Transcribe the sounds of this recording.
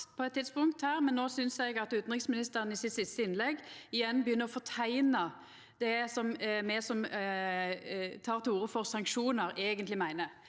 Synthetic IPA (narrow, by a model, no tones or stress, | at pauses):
pʰɔɛt̪ʰːɪt̪spʊŋkt̪hæːʁmɛnːoːsʏnsɛɡɑt̪ʉːt̪n̩ʁɪksmɪnɪst̪əʁənɪsɪt̪sɪst̪əɪnlɛɡɪjɛnːbjʏnːəʁɔfɔt̪ʰæɪnə | d̪̥ɛsɔmmɛsɔm | t̪ʰɑːʁt̪ʰɪluːʁəfɔʁsɑŋkʃuːnəɾeːɡənt̪lɪmæɪnə